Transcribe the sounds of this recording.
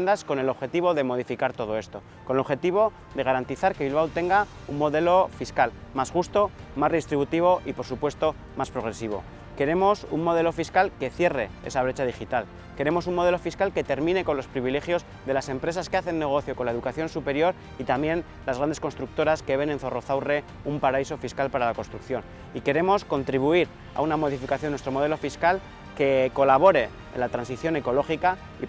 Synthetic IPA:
nd̪asko̞ne̞lo̞βxe̞t̪iβ̞o̞ðe̞moð̞ifikaɾt̪o̞ð̞o̞e̞st̪o̞ | ko̞nlo̞βxe̞t̪iβo̞ | ðe̞ɣ̞aɾant̪iθaɾkeβilβ̞awt̪eŋɡa | ummo̞ðe̞lo̞fiskalmasxust̪o̞masreist̪ɾiβut̪iβ̞o̞ʔipo̞ɾsupwe̞st̪o̞ | maspɾo̞ɣɾe̞siβ̞o̞̰ | ke̞ɾe̞mo̞summo̞ð̞e̞lo̞fiskalke̞θje̞re̞ḛsaβ̞ɾe̞t͡ʃaðixit̪al | ke̞ɾe̞mo̞suŋmoðe̞lo̞fiskalke̞t̪e̞ɾmĩne̞ko̞nlo̞spɾiβ̞ile̞xjo̞z | ðe̞lase̞mpɾe̞saskeaθe̞nːe̞ɣ̞o̞θjo̞ko̞nlae̞ðukaθjo̞nsupe̞ɾjo̞ɾ | it̪amjẽ̞n | lazɣɾand̪e̞sko̞nst̪ɾuk̚t̪o̞ɾaske̞βe̞nenθo̞ro̞θawre̞ | umpaɾaiso̞fiskalpaɾalako̞nst̪ɾukθjo̞n | ike̞ɾe̞mo̞sko̞nt̪ɾiβ̞uiɾ | a̰unamo̞ð̞ifikaθjonːwest̪ɾo̞mo̞ð̞e̞lo̞fiskal | ke̞ko̞laβ̞o̞ɾe̞ | ḛnlat̪ɾansiθjo̞ne̞ko̞lo̞xika | ḭ

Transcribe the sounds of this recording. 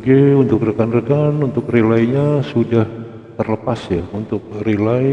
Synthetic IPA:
ɡeunt̪ʊk̚rəkanrəkanunt̪ʊkrelaiɲasudah | t̪ərləpasjaunt̪ʊk̚rilai

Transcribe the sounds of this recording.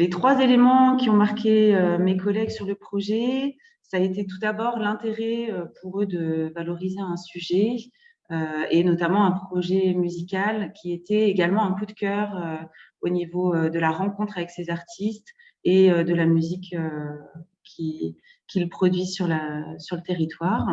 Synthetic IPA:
let̪χwazelemɑ̃kʲiɔ̃maʁkʲeømekɔlɛɡsyʁləpχɔʒɛ | saet̪et̪ud̪abɔʁlɛ̃t̪eʁɛøpuʁød̪əvalɔʁizeɛ̃syʒɛ | øenɔt̪amɑ̃ɛ̃pχɔʒɛmyzikʲalkʲiet̪ɛeɡalmɑ̃ɛ̃kud̪kʲœʁø | onivoød̪əlaʁɑ̃kɔ̃t̪χavɛksezaʁt̪ʰist̪ | eød̪əlamyzikø | kʲʰi | kʲʰilpχɔd̪ɥisyʁləsyʁlət̪eʁit̪waːʁ

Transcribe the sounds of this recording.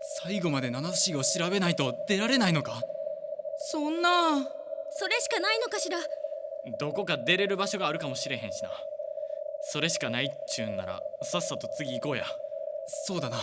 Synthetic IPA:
saiɡo̞mad̪e̞nanaɕioɕiɾaβe̞nait̪o̞d̪̥e̞ɾaɾe̞naino̞ka | sõ̞nːa | so̞ɾe̞ɕi̥kanaino̞kaɕiɾa | d̪o̞ko̞kad̪e̞ɾe̞ɾɯ̟baɕo̞ɡaːɾɯ̟kamo̞ɕiɾe̞ɦẽ̞ɕi̥na̰ | so̞ɾe̞ɕi̥kanait͡ɕɨːnːa̰ɾa̰sasːat̪o̞t͡sɨɡʲiːko̞ːja̰ | so̞ːd̪ana

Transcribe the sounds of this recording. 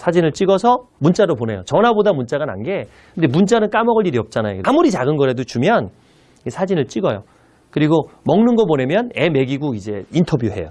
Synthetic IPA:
sʰad͡ʑinɯɭt͡ɕ͈iɡʌsʰʌ | munt͡ɕ͈aɾopone̞jot͡ɕʌnabodamunt͡ɕ͈aɡana̰nɡe̞ | kɯnde̞munt͡ɕ͈anɯnk͈amʌɡɯɭiɾiʌp̚t͡ɕ͈anajo̰kmuɾit͡ɕaɡɯnɡʌɾɦe̞dot͡ɕumjʌn | esʰad͡ʑinɯɭt͡ɕ͈iɡʌjo | kɯɾiɡomʌŋnɯnɡʌpone̞mjʌne̞me̞ɡiɡuid͡ʑe̞intʰʌbjuɦe̞̰jo

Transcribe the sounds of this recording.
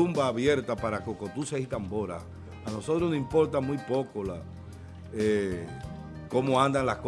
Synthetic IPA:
umbaːβje̞ɾt̪apaɾakokot̪usehit̪ambo̞ɾa̰ | ano̞so̞t̪ɾonoimpo̞ɾt̪amujpo̞kola | e | ko̞moand̪anlahk

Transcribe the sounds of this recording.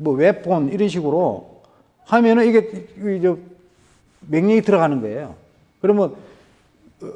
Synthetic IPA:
mwʌwep͈̚ʰoniɾʌnɕ̬ʰiɡɯɾo | hamjʌnɯniɡed͡ʑʌ | meŋɲʌŋitɯɾʌɣanɯnɡʌejo̰ | kɯɾʌmjʌn

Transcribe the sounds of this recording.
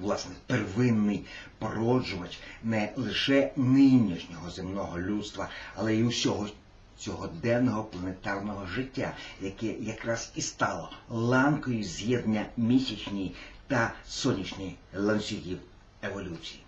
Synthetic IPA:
ʋlˠɑsnɛperʋɪnːɪjpɔɾɔd͡ʒʊʋɐt͡ʃnɛlˠɪʃɛnɪnʲiʃnʲɔɦɔzemnɔɦɔlʲut̪st̪ʋɐɐlˠɛiusʲɔɦɔ | t͡sʲɔɦɔd̪ɛnɔɦɔplˠɐnet̪ɑrnɔɦɔʒɪtʲːajɐkɛjɐkɾɑz̥ist̪ɑlˠɔlˠɑnkɔjʊzʲjɛd̪nʲɐmʲisʲit͡ʃnʲijt̪ɐsɔnʲit͡ʃnʲijlˠɐnsʲiɦʲiw | eʋɔlʲut͡sʲiji

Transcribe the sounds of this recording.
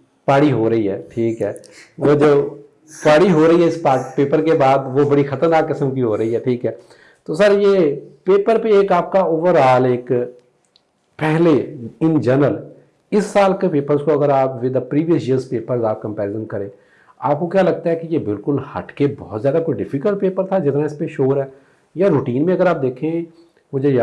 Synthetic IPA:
paːɽiɦoːɾəɦiɦɛːʈʰiːkɦɛː | ʋoːd͡ʒəb | paːɽiɦoːɾɐiɦɛɪspaːpeːpəɾkebaːd̪ʋobɐɽixət̪əɾnaːkːɪsəmkiɦoːɾɐɦiɦɛːʈʰiːkɦɛː | t̪oːsəɾjeːpeːpəɾpeeːkaːp̚kaoːʋəɾaːleːk | pɛɦleɪnd͡ʒəɾnəl | ɪsːaːlkepeːpəɾzkoɐɡəɾaːpʋɪd̪apɾiːʋiəsjiəɾzpeːpəɾzaːp̚kə̃mpɛːɾɪzə̃mkəɾẽː | a̰ːp̚kokjaːlɐɡ̚t̪aɦɛkejebɪlkʊlhɐ̰ʈʰkebɔːt̪zjaːd̪akoɖɪfʰɪkəlʈpeːpəɾt̪ʰad͡ʒɪt̪naɪspeʃoːɾɦɛː | jaɾuːʈiːnmẽɐɡəɾaːp̚d̪eːkʰẽ | mʊd͡ʒʱeja

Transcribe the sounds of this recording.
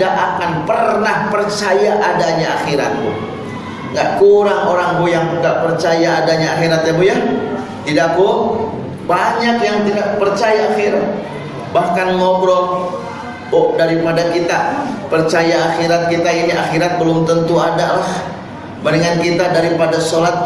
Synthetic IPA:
aʔakanpərnahpərt͡ʃajaʔadaɲaaxiɾa̰t̪̚u | ŋɡaʔkuɾaŋoɾaŋbujaŋt̪idaʔpərt͡ʃajaːdaɲaːxiɾat̪jabuja | t̪idaku | baɲakjaŋt̪idaʔ̚pərt͡ʃajaːxiɾat̪̚ | bahkanŋɔmbɾɔm | oʔdaɾipadakit̪apərt͡ʃajaːxiɾat̪̚kit̪ainiaxiɾat̪̚bəlʊmt̪ənt̪uadalah | baniŋankit̪adaɾipadasolat̪̚

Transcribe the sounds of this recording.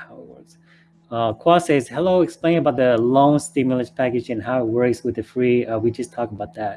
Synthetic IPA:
haʊwə̰˞z̥ | ʌkʰw̥ɔsɛzhɛloʊɛksplẽŋəbaʊt̪̚ðɨlõʊ̃ŋstɪmjl̩ˠəspʰækɨd͡ʒɨ̃nɦaʊɪt̚wɜ˞kswɨðɨfɹiʌwid͡ʒʌstʰɔkəbaʊt̪̚ðæt̚

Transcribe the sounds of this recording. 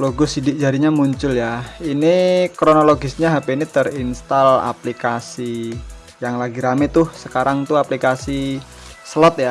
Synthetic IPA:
loɡɔsidɪk̚d͡ʒaɾiɲamuɲt͡ʃʊljainikɾonoloɡɪsɲaɦapeinit̪ərinst̪ala̰plikasi | jaŋlaɡiɾamɛt̪ʊhsəkaɾaŋt̪uaplikasi | səlɔt̪̚ja

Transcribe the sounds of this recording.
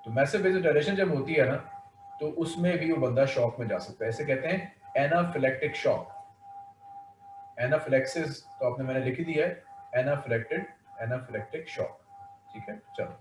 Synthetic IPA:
t̪oːmɛ̃ːsebezoʈɛleʃə̃nd͡ʒɐbɦoːt̪iɦɛnaː | t̪oːʔʊsmẽbʱioːbɐ̃nd̪aʃɔːkmẽd͡ʒa̰ːsɐk̚t̪aɛːsekɛɦt̪ẽɦɛ̃ɛːnafɪlɛːkʈɾɪkʃɔ̰ːk | ɛːnafɪlɛːksɪzt̪oaːpnemɛ̃ːnelɪkʰd̪iaɦɛɛːnafɪlɛːk̚ʈɪɖɛːnafɪlɛːk̚ʈɾɪkʃɔ̰ːkʈʰiːkɦɛːt͡ʃɐ̰l

